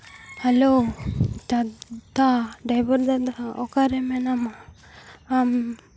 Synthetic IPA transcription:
hɛlo | t̪at̪aɖajbɔɾd̪ad̪aɔkaɾɛmɛnama | am

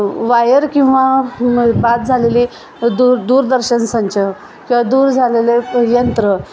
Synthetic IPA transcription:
ʋajəɾkĩw̃ʋa | bat̪̚d͡zʱaleliː | d̪uɾd̪uːɾd̪əɾɕənsənt͡ɕə | kĩw̃ʋad̪uːɾd͡zʱalelejənt̪ɾə

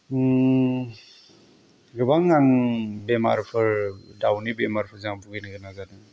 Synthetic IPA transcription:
ɡɯbaŋːaŋbema̰ɾpʰɯɾdawnibemaɾpʰɯɾzaŋbuɡinɡɯnaɡadɯŋ

